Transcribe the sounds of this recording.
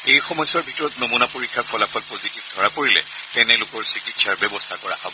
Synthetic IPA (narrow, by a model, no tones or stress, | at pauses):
ejxɔmɔjsɔɹbʱitɔɹɔtnomunapoɹikʰːaɹpʰɔlapʰɔlpozikip̚dʱɔɹapoɹilɛ̰ | tɛnɛlʊkɔɹsikitsaɹbɛbɔstʰakɔɹa̰habɔ